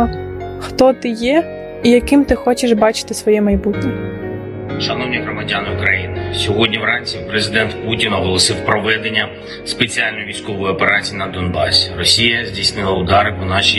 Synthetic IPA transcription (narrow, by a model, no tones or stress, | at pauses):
xt̪ɔt̪ɪjɛ | ijɐkɪmt̪ɪxɔt͡ʃɪʃbɑt͡ʃɪ̥t̪ɪsʋɔjɛmɐjbutʲnʲɛ | ʃɐnɔwnʲiɦɾɔmɐdʲanɪʊkɾɐjinɪsʲɔɦɔdʲnʲiwɾɑnʲt͡sʲipɾezɪd̪ɛnt̪putʲinɦɔlˠɔsɪwpɾɔʋɛd̪e̞nʲːɐ | spet͡sʲialʲnɔjʊʋʲijsʲkɔʋɔjʊɔpeɾɑt͡sʲijinɐd̪ɔnbɑ̰sʲrɔsʲijɐzʲdʲijsnɪlˠɐʊd̪ɑɾɪpɔnɑʃʲi